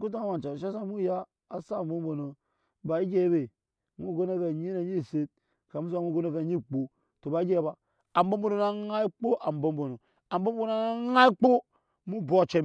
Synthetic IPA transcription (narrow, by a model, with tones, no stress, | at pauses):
ku˦t̬a˦ma˨t͡ʃa˨ʃa˦s̬a˦mu˦ja˦ | a˨sa˦˨˦bo˦mbo˨no˨ | ba˨i˦d͡ʒe˦be˨ | mu˦˨ɡo˦na˦ka˨ɲi˦na˨ɲi˦˨se˦t̚ | ka˨mu˦s̬a˨˦mu˦˨ɡo˦no˦fe˦˨ɲi˦˨k͡po˨ | to˨ba˨i˦d͡ʒe˦˨ba˨ | a˨mbo˦m˦bo˦no˨na˦a˦i˦k͡po˦ʔa˨m˨bo˦m˦bo˨no˨ | a˨m˦bo˦m˦bo˦no˨na˦ŋa˦i˦k͡po˦ | mu˦bo˦˨t͡ʃe˦